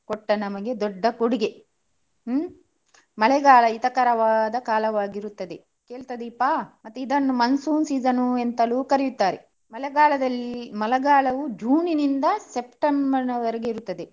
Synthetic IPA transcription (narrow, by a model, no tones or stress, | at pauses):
koʈːɐnɐmɐɡe̞d̪ɔɖːɐkuɽiɡe̞ | mɐɭɛɡaːlɐit̪ɐkɐɾɐʋaːd̪ɐkaːlɐʋaːɡiɾut̪ːɐd̪e̞ | keːɭt̪ɐd̪iːpːaːmɐt̪ːuid̪ɐnːumɐnsuːnsiːd͡ʒɐnuent̪ɐluːkɐɾijut̪ːaːɾe | mɐlɛɡaːlɐd̪ɐlːimɐlɐɡaːɭɐʋud͡ʒuːninind̪ɐsep̚ʈɐmbɐɾinɐʋɐɾɐɡeiɾut̪ːɐd̪e